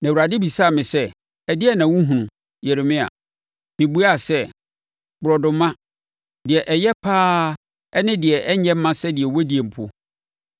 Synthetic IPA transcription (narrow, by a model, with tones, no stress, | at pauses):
nã˨wu˨ɾa˨dɪ˦bi˨sa˦˨mɪ̃˨sɛ˦ | ɛ˨dɪ˦ɛ˦nã˨wũ˦ɦũ˨ũ˨ | jɛ˨ɾe˨mɪ̃˦a̰˨ | mɪ̃˨bu˦a˦˨sɛ˦ | bʊ˨ɾɔ˨dʊ̃˨mã˦ | dɪ˨ɛ˨ʔɛ˨jɛ˦pʰaː˦ | ɛ˦nɪ̃˦dɪ˨ɛ˨ʔɛ˦ɛ̃˦m̩˦mã˦sɛ˦dɪ˨ɛ˨wo˦di˨ɛ˨m̩˨pʰʊ˦